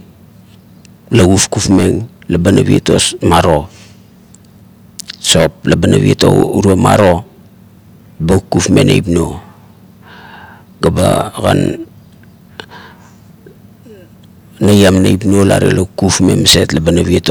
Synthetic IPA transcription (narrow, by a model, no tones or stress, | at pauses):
laɡufkufme̞ŋlabanaβieto̞smaɾo̞ | so̞p̚labana̰βieto̰uɾuama̰ɾo̞ | baukːufme̞̰najpno̞ | ɡabaɡan | ajamnajp̬no̞la̰ɾḛlaukːufme̞mse̞tlabanaβieto